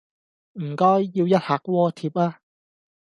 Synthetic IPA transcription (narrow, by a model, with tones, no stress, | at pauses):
m̩˨˩kɔː˥jːiː˧wjɐ˥t̚haː˨˩k̚wɔː˧t̪ʰiː˧p̚aː˧